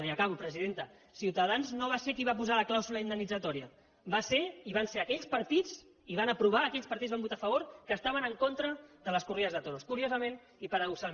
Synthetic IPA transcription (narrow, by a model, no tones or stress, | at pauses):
niəkaβupɾəziðent̪ə | siwt̪əðanznoβ̞asekiβap̬uzaləklawzuləind̪ənːid͡zət̪ɔɾiə | baseiβanseəkɛʎspəɾt̪id͡z | iβanəpɾuβaːkɛʎspəɐɾt̪izβambut̪afəβ̞oɾkəːst̪aβ̞ənəŋkont̪ɾəðələskuriəzðət̪oɾoskuɾiozəmen | ipəɾəɣusa